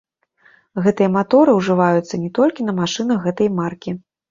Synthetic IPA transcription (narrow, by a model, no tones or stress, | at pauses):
ɣɛt̪ɨjɐmat̪ɔɾɨwʐɨvajut̪sːɐnʲɛt̪ɔlʲkʲinɐmaʂɨnɐxɣɛt̪ɐjmarkʲi